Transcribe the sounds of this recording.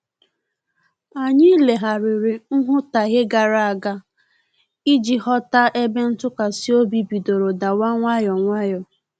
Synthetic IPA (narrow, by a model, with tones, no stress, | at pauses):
a˨ɲɪ˦le˨ɦa˨ɾɪ˨ɾɪ˨ŋ̩˦ɦʊ˦ta˨ɣɪ˦ɡa˨ɾa˨a˨ɡa˦ | i˦d͡ʒi˨hɔ˦ta˦ʔe˦be˦n̩˦tʊ˦ka˨si˦o˦bi˦bi˨do˨ɾo˨da˨wa˦ŋʷa˦jɔ˨ŋʷa˦jɔ˨